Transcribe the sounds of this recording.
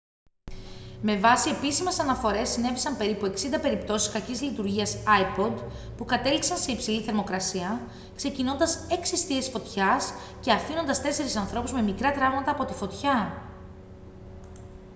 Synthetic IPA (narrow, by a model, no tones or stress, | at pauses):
me̞vɐsie̞pisime̞sɐnɐfo̞ɾe̞sːine̞visɐmpe̞ɾipue̞ksind̪ɐpe̞ɾipt̪o̞si̥skɐcizlit̪uɾʝiɐsɐipo̞d̪ | pukɐt̪e̞liksɐnse̞ipsiliθe̞ɾmo̞kɾɐsiɐ | kse̞cino̞nd̪ɐse̞ksist̪ie̞sfo̞t̪çɐs | ce̞ɐfino̞nd̪ɐst̪e̞se̞ɾisɐnθɾo̞puzme̞mikɾɐt̪ɾɐvmɐt̪ɐːpo̞t̪i̥fo̞t̪çɐ